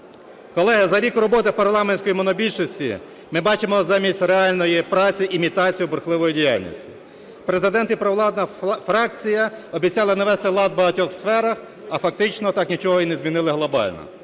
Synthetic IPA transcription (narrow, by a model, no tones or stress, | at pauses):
kɔlˠɛɦɪzɐɾʲikʊɾɔbɔt̪ɪpɐrlˠɑmenʲsʲkɔjimɔnɔbʲilʲʃɔsʲtʲḭ | mɪbɑt͡ʃemɔzɑmʲisʲtʲreɑlʲnɔjipɾɑt͡sʲiʔimʲit̪ɑt͡sʲijʊbrxlˠɪʋɔjidʲija̰lʲnʲḭsʲtʲi | pɾe̞zɪd̪ɛnt̪ipɾɔʋlˠɑd̪nɐfɾɑkt͡sʲijɐɔbʲit͡sʲjɑlˠɐnɐʋɛst̪ɪlˠɑd̪̚bɐɦɐtʲɔxsfɛɾɐx | ɐfɐk̚t̪ɪt͡ʃnɔt̪ɑknʲit͡ʃɔɦɔinezʲmʲinɪlˠɪɦlˠɔbɑ̰lʲnɔ̰